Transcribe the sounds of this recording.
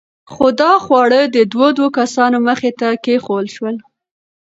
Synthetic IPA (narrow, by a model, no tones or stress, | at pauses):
xod̪ɑxwɑɽəd̪əd̪wod̪wokasɑnoməxet̪akexoəlʃwəl